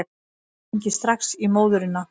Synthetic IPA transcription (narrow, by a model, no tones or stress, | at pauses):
ɲcɪst̪ɾaxsimoːwðʏɾɪnːa